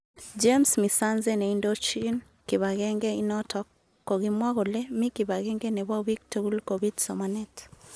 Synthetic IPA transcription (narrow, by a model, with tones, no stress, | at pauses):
d͡ʒe˦msmi˨sa˦nze˦nɛ˨indo˦t͡ʃi˦n | kɪ˨βa˨ɡɛ˦ŋɡe˦i˦nɔ˦tɔ˨kː | o˨ɡi˦mwa˦ɡo˨le˦mɪ˦ki˨ba˨ɡɛ˦ŋɡe˦nɛ˨wa˦wi˦k̚tu˦ɡu˦lko˨bi˦dsɔ˨manɛ˦t